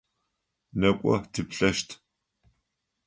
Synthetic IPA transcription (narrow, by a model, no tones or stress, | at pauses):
nɐkʷʼɔ̰tʰɨpɬɐʃtʰ